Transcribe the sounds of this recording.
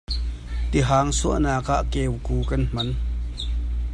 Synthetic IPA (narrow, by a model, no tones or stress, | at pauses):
t̪iɦaːŋsuəʔnaːkaʔkeːwkuːkɐnm̥ɐn